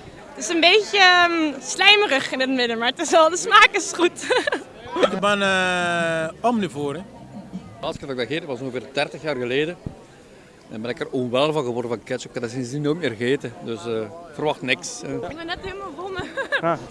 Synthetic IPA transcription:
tɪsənbejtjəslɛjmərəχɪnɪtmɪdəmaːɹətɪsɛlˠdəsmaːkəsχutː | kbɛnə | ɔmnyvoːɾɛ | ɑlˠsɪkɛfəɡdaɣeːtək̚ɑsɔ̃ŋɣəveːrdɛrtəxjaːrɣəleːdə | ɛnbɛnɪkərɔnʋɛlˠvɑ̃nɣəʋɔrdəvɑnkɛt͡ʃɔkadɪsinsinoːt̚meːrɣeːtədɵsvərʋɑxtnɪksɡbɛnɛtɦeːlˠmalˠvolˠmə

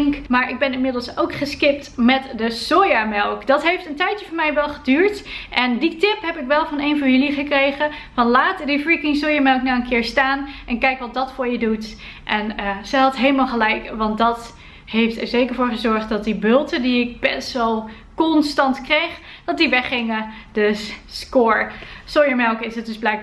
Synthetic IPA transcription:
ŋkmaːɹʔɪɡ̚bɛnɪnmɪdəl̩ˠsowkχəskɪp̚tmɛtdəsojamɛlˠkdɑtɦejftəntɛjtjəvʊmɛjʋɛlˠχədyːɹtʔɛnditɪpɦɛpɪkʋɛlˠvɑnejnvɔɹjɵliχəkrejχəvɑnlaːtdifrikɪŋsoːjamɛlˠknawənkɪːɹstaːnʔɛnkɛjkʋɑt̚dɑtfʊːɹjədut | ʔɛnəz̥əɦɑtɦejləmaːlˠχəlɛjkʋɑntdɑt | hejftɛɹzejkəɹvoːɹχəzɔɹχt̚dɑt̚dibølˠtədiɪk̚bɛtsʋɛlˠ | kɔnstɑntkrejχ | d̥ɑt̚diʋɛχɪŋə | dɵsskoːɹsojəɹmɛlˠkɪsət̚dɵzblɛjk̚

